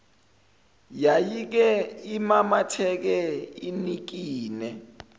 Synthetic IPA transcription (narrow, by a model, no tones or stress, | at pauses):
jajik̬ɛimamatʰɛk̬ɛinik̬iːnɛ